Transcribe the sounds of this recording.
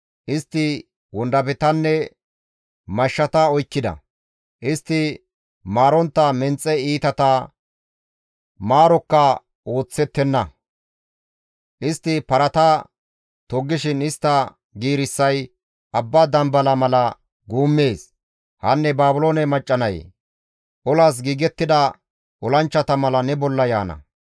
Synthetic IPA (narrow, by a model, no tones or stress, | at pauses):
ʔɪst̪ːɪ | wɔnd̪ɐpɛt̪ɐnːɛ | mɐʃːɐt̪ɐɔjkːɪd̪ɐ̰ | ʔɪst̪ːɪ | maːɾɔnt̪ːɐmɛnt͡sʼːɛiːt̪ɐt̪ɐ | maːɾɔkːɐ | o̞ːt͡sːɛt̪ːɛnːɐ | ʔɪst̪ːɪpɐɾɐt̪ɐ | t̪ɔɡːɪʃɪnɪst̪ːɐ | ɡiːɾɪsːɐj | ʔɐbːad̪ɐmbɐlɐmɐlɐ | ɡuːmːe̞ːs | hɐ̰nːɛbaːbʊloːnɛmɐt͡ʃʼːɐnɐj | ʔɔlaːs̬ɡiːɡɛt̪ːɪd̪ɐ | ʔɔlɐnt͡ʃːɐt̪ɐmɐlɐnɛbɔlːɐjaːnɐ̰